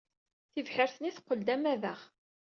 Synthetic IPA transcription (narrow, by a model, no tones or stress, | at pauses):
θivħəɾθəniθqːəld̪æmæðəχ